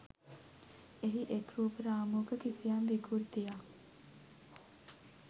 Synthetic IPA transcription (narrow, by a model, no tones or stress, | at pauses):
eɦiʔekɾuːpəɾaːmuɡəkisijanʋiɡuɾd̪ija